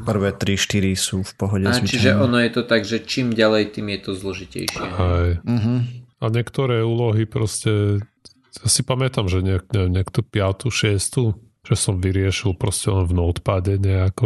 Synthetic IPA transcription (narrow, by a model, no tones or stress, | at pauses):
pr̩ʋɛːt̪ɾiʃt̪iɾisuːfpɔɦɔɟɛasit͡ʃiʒɛʔɔnɔjɛt̪ɔt̪aɡʒɛt͡ʃiːmɟalɛjt̪iːmjɛt̪ɔzlɔʒicɛ̰jʃɪɛ̰ɦɛj̩ɦ̩aɲɪɛkt̪ɔɾɛːuːlɔɦipɾɔscɛ | jasipamɛt̪amʒɛɲɛkɲɛɛmɲɪɛkt̪ɔpɪat̪uʃɪɛst̪u | ʒ̥ɛsɔmʋiɾɪɛʃilˠpɾɔscɛlɔnvnɔt̪paɟɛɲɛakɔ